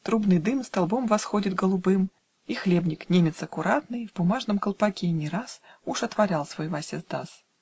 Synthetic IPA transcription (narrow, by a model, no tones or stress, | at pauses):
t̪ɾubnɨjd̪ɨmst̪ɐlˠbo̞mvɐsxo̞dʲɪt̪ɡəlˠʊbɨm | ixlʲe̞bnʲɪknʲemʲɪt̪sɐkʊɾat̪nɨjvbʊmaʐnəmkəlˠpɐkʲenʲɪɾasuʂɐt̪vɐɾʲalˠsvojvasʲezd̪as